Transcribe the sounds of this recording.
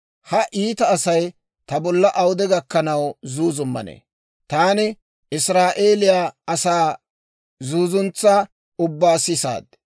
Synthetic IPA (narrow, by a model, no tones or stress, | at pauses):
hɐʔiːt̪ɐːsɐj | t̪ɐbɔlːɐʔɐwʊd̪ɛɡɐkːɐnɐwzuːzʊmːɐ̰nḛː | t̪aːnɪ | ʔɪsɾaːʔe̞ːlɪjaɐsaː | zuːzʊnt͡sːaː | ʊbːaːsɪsa̰ːd̪̚